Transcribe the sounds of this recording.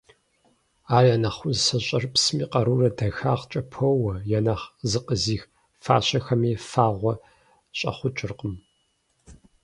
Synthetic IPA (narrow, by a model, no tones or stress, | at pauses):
aːrjanɐχʷʊzsɐɕʼɐrpsmiːqʼɐɾuːrɐdɐxaːʁt͡ʃʼɐpʰɐwɐjɛnaχzɨqʼəziːx | fa̰ːɕɐxɐmiːfaːʁʷɔ | ɕʼɐ̰χʷʊt͡ʃʼɪrqəm